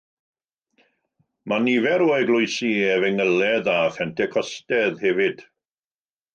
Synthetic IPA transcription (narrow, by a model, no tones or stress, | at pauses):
manivɛɾoːɛɡlˠʊjsiɛvɛŋəlɛðafɛntʰɛkʰɔstɛðhɛvɪd̥